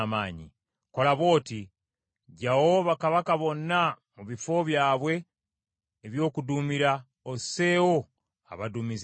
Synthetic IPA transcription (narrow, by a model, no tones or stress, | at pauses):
maːɲḭ | ko̞laβo̞ːti | ɟawo̞βakaβakaβo̞nːa | muβifo̞βjaːβwe̞ː | βjo̞ːkudumiɾa | ose̞ːwo | a̰βadumiz